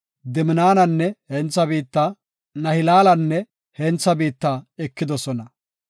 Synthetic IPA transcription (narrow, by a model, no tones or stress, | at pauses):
d̪ɪmɪnaːnɐnːɛhɛnt͡sːɐbiːt̪ːaː | nɐhɪlaːlɐnːɛ | hɛnt͡sːɐbiːt̪ːaːɛkːɪd̪ɔsɔnɐ